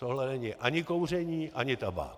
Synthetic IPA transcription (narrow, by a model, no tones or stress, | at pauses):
t̪oɦlɛnɛɲɪʔaɲɪkowr̝ɛɲiːʔaɲɪt̪aba̰